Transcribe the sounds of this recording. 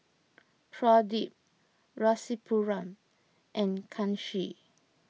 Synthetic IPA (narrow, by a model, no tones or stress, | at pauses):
pʰɹɔdip̚ | ɹɔsipʰuɹãm | ʔɛ̃nkʰãnʃi